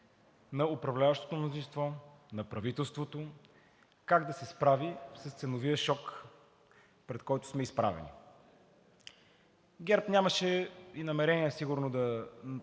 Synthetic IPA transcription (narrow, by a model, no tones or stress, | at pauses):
nɐʊpɾɐvlʲavɐʃt̪o̥t̪omnozĩst̪vɔnɐpɾɐvit̪ɛlˠst̪vot̪o | kaɡd̪ɐsɛspɾavisɐst̪sɛnoviəʃɔk | pɾɛt̪kɔjt̪ʊ̥smɛispɾa̰vɛ̰nḭ | ɡʲɛɾpnʲaməʃɛinɐmɛɾɛniɛsiɡʊɾnod̪ɐ